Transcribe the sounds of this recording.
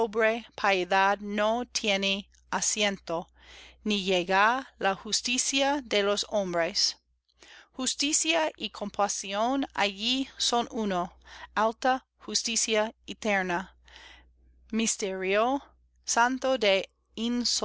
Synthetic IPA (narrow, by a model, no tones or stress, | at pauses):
obɾepʰaeðad̪not̪ʰjene | asjẽnt̪o | nijeɣalahust̪isjaðelosõmbɾes | hust̪isjaʔikʰompʰasiona̰jisonunoalt̪a | xust̪isjait̪eɾna | mist̪eɾjo | sant̪od̪e | ins